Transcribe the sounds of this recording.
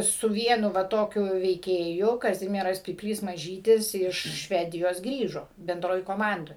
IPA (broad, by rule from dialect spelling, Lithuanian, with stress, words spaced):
sʊ ˈʋʲiɛnʊ ʋɐ ˈtoːkʲʊ ʋʲɛɪˈkʲeːjʊ kɐˈzʲɪmʲiɛrɐs pʲiːpʲˈlʲiːs mɐˈʒʲiːtʲɪs ˈɪʃ ˈʃʲʋʲæːdʲɪjoːs ˈɡrʲiːʒoː bʲɛnˈdroːj koːˈmɐndoːj